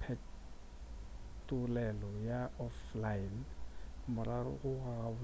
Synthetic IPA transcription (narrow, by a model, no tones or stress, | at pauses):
pʰɛ | tʼʊlɛlɔjaɔflaɪn | mʊrarʊ̰ɣʊaʊ